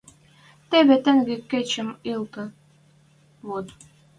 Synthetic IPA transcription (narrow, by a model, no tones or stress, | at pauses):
t̪eβĕt̪ə̆ŋɡekːet͡ɕɘ̆milˠt̪ɤ̆ | βot̪